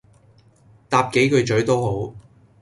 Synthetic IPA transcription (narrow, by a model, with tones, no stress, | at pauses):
t̪aː˧p̚ke˨˥jkɵ˨˧ɥt͡ʃɵ˨˥ɥt̪o˥who˨˥w